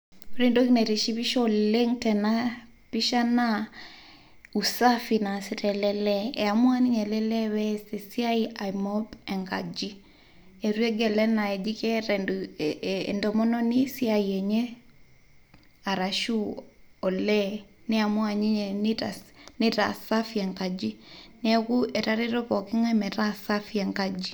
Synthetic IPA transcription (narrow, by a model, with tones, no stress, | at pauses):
ɾe˨ndo˦kne˨ɾe˨ʃi˦pi˦ʃɔle˦ŋtɛ˨na˦ | pi˦ʃa˦na˦ | u˨sa˦fi˨na˨si˦ɾɛ˨lɛ˨lɛ˦ɛ˨a˨mwa˦ni˦ɲɛ˨lɛ˦lɛ˦wɛ˦se˨si˦a˦ia˨mɔ˦bɛ˨ŋɡa̰˨d͡ʒi˦ | e˨ɾwe˦ɡɛ˨lɛ˦na˨ɛ˨d͡ʒi˦kɛ˦ɾɛ̰ː | ndɔ˨mɔ˦nɔ˦ni˦si˦aie˨ɲe˦ | a˨ɾa˨ʃu˦ɔ˨lɛ˦nɛ˦a˨mwa˨ɲi˦ɲtanɪ˦ɾa̰˨sa˦fi˨ɛ˨ŋka˨d͡ʒi˦nɛ˦ku˦e˨ɾa˦ɾe˦ɾɔ˦pɔ˨ki˦ŋɛ˦mɛ˨ɾa˦sa˦fi˦ɛ˨ŋka˦d͡ʒi˦